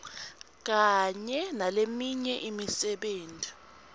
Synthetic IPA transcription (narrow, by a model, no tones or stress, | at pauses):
k̬aɲɛnalemiɲɛʔimisɛɓeːntʼi